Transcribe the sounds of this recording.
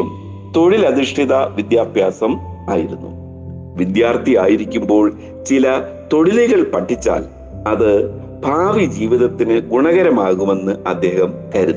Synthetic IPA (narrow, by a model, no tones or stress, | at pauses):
m | t̪o̞ɽilɐðiʂʈʰiðɐʋid̪jaːbʱjaːsɐm | aːjiɾunːṵ | ʋid̪jaːrt̪ijaːjiɾikʲːumbo̞ːɭ | t͡ɕilɐ | t̪o̞ɽiliɣɐɭpɐʈʰːit͡ɕːa̰ːl | ɐðɨ | bʱaːʋid͡ʑiːʋiðɐt̪ːinɨɡuɳɐɣɐɾɐmaːɣume̞nːɨɐd̪ːe̞ːhɐmkɐɾun